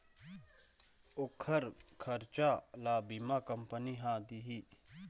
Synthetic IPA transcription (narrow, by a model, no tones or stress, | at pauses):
okʰɐɾkʰɐɾt͡ʃaːlaːbimakɐmpəniɦaːd̪iɦi